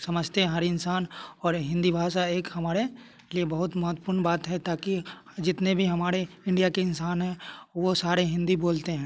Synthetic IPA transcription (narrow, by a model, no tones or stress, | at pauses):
sɐməd͡ʒt̪eɦɐɾɪnsaːnɔːɾɦɪ̃nd̪ibʱaːʃaeːkhɐmaːɾe | liebɐɦʊt̪mɐɦʊt̪wəpʊɾɳbaːt̪ɦɛt̪aːkid͡ʒɪt̪nebʱiɦɐmaːɾeɪ̃ɳɖijakeɪnsaːnɦɛ̃ʋosaːɾeɦɪ̃nd̪iboːlt̪eɦɛ̃ː